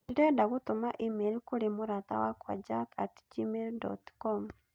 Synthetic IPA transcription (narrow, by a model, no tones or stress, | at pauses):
iɾɛdaɣotomaʔimelkoɾemoɾata̰wakwa̰d͡ʒakʰa̰td͡ʒimeldɔ̰tkɔm